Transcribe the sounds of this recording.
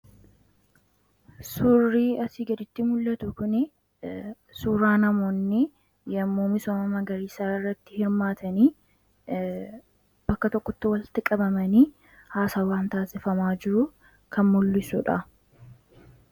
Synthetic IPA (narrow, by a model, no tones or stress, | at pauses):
sʊrːiːɐsiːɡɐd̪ɪt̪ːɪmʊlːɐt̪ʊkʊnɪ | suːɾaːnɐmo̞ːnːɪ | jɐmːoːmɪsɔːmɐmɐɡɐɾiːsaːɪrːɐt̪ːɪhɪɾmaːt̪ʰɐniː | b̥ɐkːɐt̪ɔkːɔt̪ːɪwɐlt̪ɪkʼɐbɐmɐniː | haːsaːwaːnt̪aːsɪfɐmaːd͡ʒɪɾʊ | kʰɐnmʊlːɪsʊᶑɐ